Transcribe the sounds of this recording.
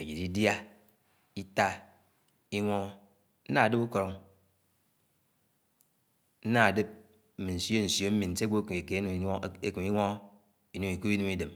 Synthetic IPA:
e˨d͡ʒi˨ɾi˦dja˦ | i˦ta˦ | i˦ŋʷo˦ | n̩˦na˦˨dɨ˦pu˦ko˨ɾo˦ŋ | n̩˦na˦a˨dɨ˦p̩̚˦ | mi˨n̩˨so˦n̩˨sjo˦m̩˦mi˨n̩˨te˦ɡ͡bo˦ke˨ke˨˦n˨˦e˦kɨ˨mi˦ŋʷo˦ | i˨nu˦mi˨ku˦i˦nu˦mi˦de˨m

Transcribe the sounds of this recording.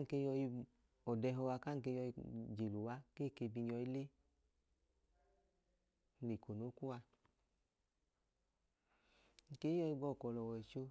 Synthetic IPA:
ŋ̩˨ke˧˦jɔ˧i˧ | ɔ˨dɛ˧ɦɔ˧wa˧ka˦˨ŋ̩˨ke˧jɔ˧i˧d͡ʒe˨lu˨wa˨˦ke˦˨ke˧bi˧ɲɔ˧i˦le˦˧ | le˨ko˨no˨˦ku˦wa˧ | ŋ̩˨ke˨˦jɔ˧i˧ɡ͡bɔ˧˨kɔ˨lɔ˨wɔ˨ɛ˨t͡ʃo˧

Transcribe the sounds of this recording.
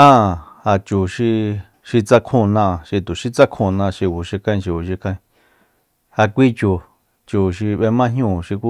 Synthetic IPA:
ã˦˨ha˧t͡ʃu˨ʃi˧ | ʃi˧t͡sa˦kʰũ˧nã˧ʔʃi˧t̪u˨ʃi˧t͡sa˦kʰũ˧nã˧ʃi˧˨βu˨ʃi˧kã˦˧ĩ˧ʃi˧u˨ʃi˧kʰã˧ĩ˧ | ha˧kʷi˦t͡ʃu˨ | t͡ʃu˨ʃi˧βe˧mã˦ɦjũ˦˨ʃi˧ku˦

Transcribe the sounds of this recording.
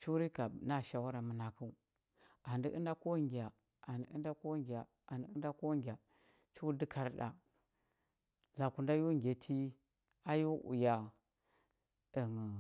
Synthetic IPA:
t͡ʃu˦ɾi˦ka˨na˦˨ʃa˨wu˦ɾa˨mə˨na˨ku˦˨ | a˨ndi˦ʔə˦nda˦ko˦ɡi˨a˨ | a˨ni˦ḭ˦nda˦ko˦ŋɡʲa˨ | a˨ndi˦ə˦da˦ko˦ŋɡʲa˨ | t͡ʃu˦di˦kʰa˨ɾɗa̰˨ | la˨ku˨nda˦ju˦ŋɡʲe˨tʰi˦ | a˦ju˦ʔṵ˨ja˨ | ə˨ŋ˨

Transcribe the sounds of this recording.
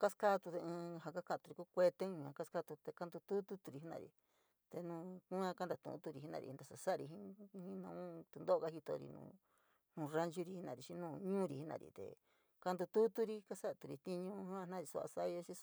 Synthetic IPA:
ka˦ska˦t̪u˧t̪e˧ɨ̃˧ha˧˨ka˦kã˧˨t̪u˧ɾi˧ku˦kʷe˧t̪ẽ˦˧ã˧ka˦ska˦t̪u˧t̪e˧ka˧nd̪u˧t̪u˦t̪u˦t̪u˧ɾi˧˦nã̰˧˨ɾḭ˧ | t̪e˧nũː˧kũ˦ã˦ka˦nd̪a˧˨t̪ṵ̃˨˦t̪u˧ɾi˧˨i˦nã̰˧ɾḭ˧˨˧nd̪a˧sa˧sa˦a˧ɾi˧ɦĩ˦˧˦hĩ˦nã̰˧˨ũ˦t̪u˧d̪o˦o˧ka˦hi˧t̪o̰˧ɾḭ˧nṵ̃˧ | nũ˨˧˨ra˦nt͡ʃu˧ɾi˧hi˦nã˧˨ɾi˧ʃĩ˦nũː˧ɲũː˦ɾi˧˨i˧˦nã̰˧˨ɾḭ˨t̪ḛ˨ | ka˧nd̪u˧t̪u˦t̪u˦ɾi˧ka˦sa˦˧t̪u˧ɾi˧t̪i˦ɲũ˦hã˦˧nã˦˨ɾi˨sṵ˧a̰˧sa˦˧jo˧˦t͡ʃĩ˦

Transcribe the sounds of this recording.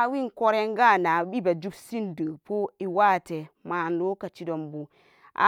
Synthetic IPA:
wi˦nko˦ɾe˦ŋɡa˦˨na˨bi˦ba˨d͡ʒu˦bsi˦ndə˨po˦i˨wa˦te˨ma˨nlo˦ka˨t͡ʃi˦do˨mbu˨ | a̰˨

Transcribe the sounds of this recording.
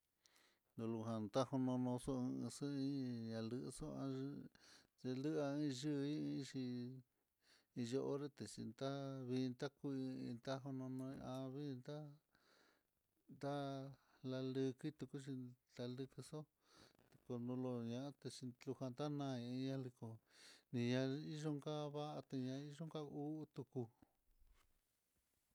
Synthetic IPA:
nd̪õ˧lu˧ɦa˧nd̪a˦ho˧nõ˧nõ˧so˦ɨ̃˧sɨ˦ĩ˦ɲã˧lɨ˧ʔso˦ã̰˧t͡ʃe˧lɨ˦a˧ĩ˦˧ʒɨ˦˧ĩ˦˧˦ʂi˧ | i˧ʒo˧ʔo˦ɾe˦˧t̪e˨t͡ʃḭ˧nd̪a˦βi˧nt̪a˦ku˧ĩ˧nt̪a˦ɦo˧nõ˧nõ˧ã˧βi˦˧nd̪a˦ | nd̪a˦la˧lɨ˧ki˦t̪u˧ku˦t͡ʃi˧t̪a˧lɨ˧kɨ˧so˦ | t̪e̥˧ko˧nõ˧lo˧ɲã˧ʔa˦t̪e˧t͡ʃi˧lu˧ha˧nd̪a˦nã˧ĩ˧i˧ɲã˦˧˦li˧ko˧nĩ˧ɲã˧i˦ʒo˦ŋka˦βa˦ʔa˧t̪e˧ɲã˧i˦ʒo˦ŋka˦u˦t̪u˧ku˧

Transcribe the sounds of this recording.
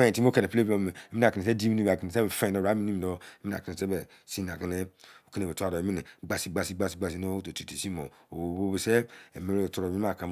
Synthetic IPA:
ẽ˦˨ti˦mo˦ke˨ne˨ple˦o˦˨me˨e˨˦mi˦a˨ki˨ne˨se˦di˦mi˦i˦˨ki˨ne˨se˦be˨fe˦˨ɔ˨ɾa˨˦i˦ni˦mi˨dɔ˦e˦mi˦a̰˨ki˨ne˨se˦bɛ˨ | si˦n˨a˨ki˨ne˦o˨˦ki˦ne˨e˨tu˦a˨ɔ˨e˨mi˦ne˨ɡ͡ba˨si˦ɡ͡ba˧si˦ɡ͡ba˧˨si˦ɡ͡ba˨s̬i˦no˦o˦to˨ti˨ti˨si˦mo˨o˨˦bo˦be˨se˦e˨me˨ɾe˦˨tɔ˨ɾɔ˨i˦a˦˨kã˨m

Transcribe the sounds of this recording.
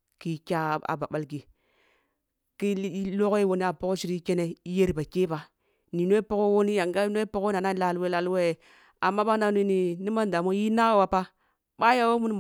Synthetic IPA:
ki˦kʲa˦˨a̰˨ba̰˨ɓa˦lɡi˨ | ki˦lo˦ki˦wo˦ni˦a˨po˦ko˦ʃi˦ɾi˦ke˦ne˦i˦je˦ɾi˨ba˨ke˦ba˨ | ni˨n˦e˦i˦po˦ko˦wo˦ni˦ja˨ŋɡa˦n˦e˦i˦po˦ko˦na˨na˦la˦lwe˦la˦lwe˦˨ | a˨mːa˦ɓa˦na˦ni˦ni˨ni˦ma˦n˨da˨mo˦ji˦na˦a˦wa˨pa˦ | ɓa˦ja˦wo˦mu˦n˦m˨

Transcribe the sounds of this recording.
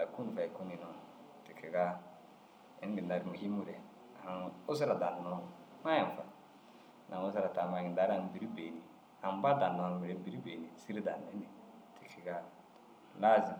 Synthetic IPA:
da˨ku˦n˨fa˨i˨ku˦ni˨nɔ˨ | ti˨ke˨ɡa˦ | ɛ˨˦ɡi˨n˨da˨ɾi˨mu˨hi˦mu˦ɾɛ˨ | a˨o˦z̬a˦ɾa˨da˨nɔ˦˨˦ma˦ja˨m˨fa̰˨ | nʔa˨ŋo˦za˦ɾa˨ta˨ma˨ɡi˨nda˨ɾa˨n˨bi˨ɾi˦be˨ni˨ | a˨m˦ba˦da˨nɔ˨n˨mu˨ɾɛ˨˦bi˨ɾi˦be˨ni˨si˦ɾi˦da˨nɛ˨˦ni˨ | ti˨kʰi˨ɡa˦ | la˦zi˨

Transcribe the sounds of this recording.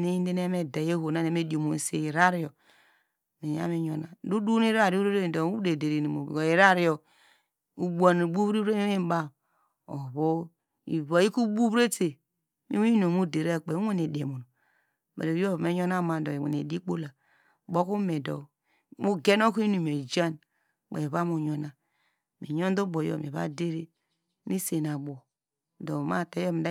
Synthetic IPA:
ne˦i˦n˦de˦ne˦me˦da˨e˦ho˨na˦˨ne˨me˦do˨mo˨n˨sḛ˨i˨ɾa˦ɾi˦o˨ | ne˨ja̰˦me˦ɲo˨na˨du˦du˦ni˦ɾa˦˨ɾo˦ɾo˦ɾe˦˨do˨˦u˦de˨de˨ɾe˨no˨mo̰˨o˨i˨ɾa˦ɾi˦jo˨ | u˨bʷa˨n˨bu˦βi˦e˦mi˦e˦ba˦˨ | o̰˨βo˦ | i˨βa˨˦i˦ku˦bu˦βɾe˦te˨ | mḭ˦no˨mu˦de˨ɾe˦˨k͡pe˨˦e˦n˨e˨de˨mo˨no˨ | ma̰˨ɾe˨ɾo˦˨me˦ɲo˦na˦ma˨do˨we˨n˨e˨di˦k͡po˦la˨ | ɡ͡bo˦ku˦me˨do̰˨ | mu˦ɡe˦no˦ki˦nu˨m˨e˨d͡ʒa˦n | k͡pḛ˨βa˦mu˨ɲo˨na˨ | mḭ˨ɲo˦n˦do˦bo˨jo̰˨mḛ˨βa̰˦de˦ɾe˦ | ni˦se˨na˨bo˨ | do˨ma̰˦˨te˨˦jo˦mi˨da˦

